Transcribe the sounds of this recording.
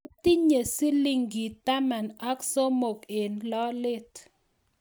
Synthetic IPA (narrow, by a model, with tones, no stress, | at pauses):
ti˦ɲe˨si˦li˦ŋɡi˨ta˦ma˨na˦kso˦mo˨ke˨nlɔ˦lɪ˦t